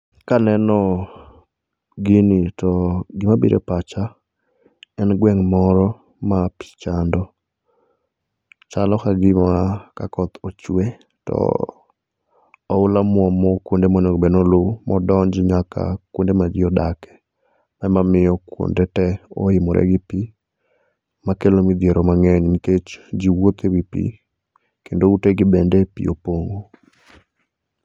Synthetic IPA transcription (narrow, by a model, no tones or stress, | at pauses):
kanɛnɔ | ɡɪnɪtɔɡɪmabḭɾʔḛpat͡ʃa | ɛnɡwɛŋmɔɾɔ | mapɪ̥t͡ʃandɔ | t͡ʃalɔkaɡɪmakakɔt̪ot͡ʃwe | tɔ̰ | ʊlamwɔmɔkwondemoɲoɡbenolumɔdɔɲd͡ʒɲakʰa̰kwondemad͡ʒɪɔdakɛ̥ | mɛmamɪjɔkwo̰ndɛtɛoɪmɔɾʔɛ̰ɡɪpi | makelomid̪ɪeɾɔmaŋɛɲniket͡ʃd͡ʒiwot̪ewipḭ | kendouteɡɪbendepḭo̰poŋo